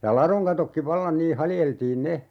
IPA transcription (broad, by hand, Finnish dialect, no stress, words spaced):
jɑ lɑroŋ kɑtokːi ʋɑlːɑn niː hɑljeltiːn ne